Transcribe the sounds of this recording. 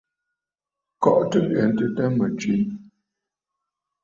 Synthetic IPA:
kɔ˦ʔtə˦ɣɛ˨n˦tə˦ta˦mə˨t͡ʃwi˦n

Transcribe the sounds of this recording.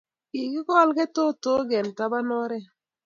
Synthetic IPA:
i˨kɪ˦kɔ˦lɡɛ˦to˦to˦ɡɛ˨nta˦ba˦nɔ˦ɾɛ˦

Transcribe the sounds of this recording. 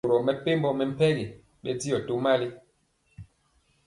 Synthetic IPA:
ɾɔ˨mɛ˨pe˦mbɔ˦mɛ˨m̩˦pɛ˦ɣi˨ | ɓɛ˦ti˦jɔ˨to˦ma˦li˦

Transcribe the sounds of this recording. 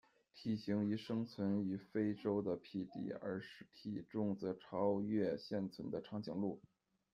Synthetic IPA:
t̪ʰi˨˩ɕi˧˥ŋi˧˥ʂɤ˥ŋt͡sʰwə˧˥ny˨˩fe˥ɪʈ͡ʂo˥ʊd̪ə˨pʰi˥˩t̪ḭ˥˩ə̰˞˧˥ʂɻ̩˥˩t̪ʰi˨˩ʈ͡ʂʊ˥˧ŋt͡sɤ˧˥ʈ͡ʂʰɑ˥ʊɥɛ˥˧ɕjɛ˥˩nt͡sʰwə˧˥nd̪ə˧ʈ͡ʂʰɑ˧˥ŋt͡ɕi˨˩ŋlu˥˩

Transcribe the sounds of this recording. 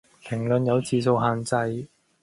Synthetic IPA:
pʰɪ˨˩ŋlɵ˨˧njɐ˨˧wt͡siː˨˧s̬o˧wɦaː˨˧nt͡sɐ˧j

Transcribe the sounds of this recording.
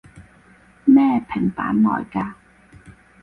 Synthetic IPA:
mɛː˥˧pʰɪ˨˩ŋpa̰ː˨˥nlɔ̰ː˨˩jkaː˧

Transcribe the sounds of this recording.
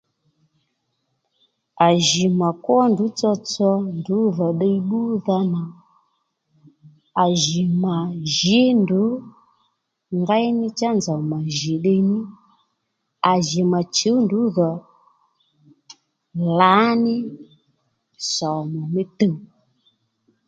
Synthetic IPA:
a˨ʒi˨ma˨kwɔ˦ndu˨˦t͡sɔ˧t͡sɔ˧ndu˨˦ðɔ˨ɗɛ˦˧i˦ɓu˦ða˧na˨ | a˨ʒi˨ma˨ʒi˨˦ndu˨˦ | ŋɡa˦jnɪ˦t͡ʃa˦nza˨ma˨ʒi˨ɗe˧˦ni˦ | a˨ʒi˨ma˨t͡ʃu˨˦ndu˨˦ðɔ˨ | la˨˦nɪ˦ | sɔ˨mɔ˨mi˦tə˦˨

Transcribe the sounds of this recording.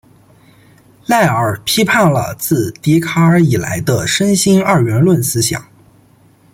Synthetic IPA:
la˥˩ɪə˞˨˩pʰi˥pʰa˥˩ŋlə̰˩t͡sɹ̩˥˩t̪i˧˥kʰa˥ə˞˧i˨˩la̰˧˥ɪd̪ə˧ʂə˥nɕi˥ŋə˞˥˩ɥɛ˧˥nlwə˥˩nsɹ̩˥ɕjɑ̰˨˩˦ŋ

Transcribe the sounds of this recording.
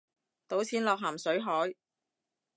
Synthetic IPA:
t̪o˨˥wt͡sʰiː˨˥nlɔː˨k̚ɦaː˨˩msɵ˨˥ɥɦɔː˨˥j

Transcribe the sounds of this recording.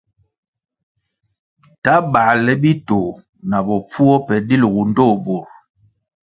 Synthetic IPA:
ta˦ba˨lɛ˦bi˦to˨ | na˨bɔ˨p͡fu˦ɔ˦pɛ˨di˦lɣu˨n˦do˦˨bo˨ɾ

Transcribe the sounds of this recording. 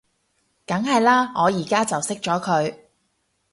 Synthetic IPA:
kɐ˨˥ŋɦɐ˨jlaː˥ŋɔː˨˧jiː˨˩kaː˥t͡sɐ˨wsɪ˥k̚t͡ʃɔː˨˥kʰɵ˨˧ɥ

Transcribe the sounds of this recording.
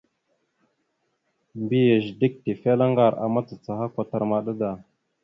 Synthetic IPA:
mbi˦je˨ʒdi˦k̚te˨fe˦la˦ŋɡa˦˨ɾa̰˨ma˦t͡sa˨t͡sa˨ha˦kʷa˨ta˨ɾma˨ɗa˦da˨

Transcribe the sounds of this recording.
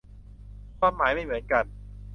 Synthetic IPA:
kʰaː˥˩mːaː˩˦jma˥˩jmɯ˩˦ənka˧n

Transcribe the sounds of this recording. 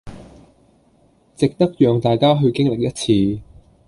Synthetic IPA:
t͡sɪ˨k̚t̪ɐ˥k̚jœː˨ŋt̪aː˨jkaː˥ɦɵ˧ɥkɪ˥ŋlɪ˨k̚jɐ˥t̚t͡sʰiː˧

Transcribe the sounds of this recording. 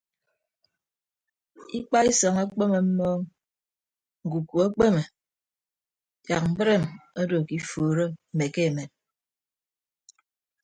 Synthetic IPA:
i˦k͡pa˦i˦sɔ˨ŋa˦k͡pe˦me˨m̩˦mɔː˦ŋ | ŋ̩˨ɡu˨ku˨a˦k͡pe˦me˨ | ja̰˨k̚m̩˨bɾe˦˨mo˦do˨ki˦foː˨ɾo˦m̩˨me˨ke˦e˨me˨n̚

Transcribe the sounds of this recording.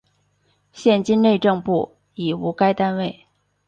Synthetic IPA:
ɕjɛ˥˧nt͡ɕi˥nne˥˧ɪʈ͡ʂɤ˥˧ŋpu˥˩ | i˨˩u˧˥ka˥ɪt̪a˥nwe˥˩ɪ

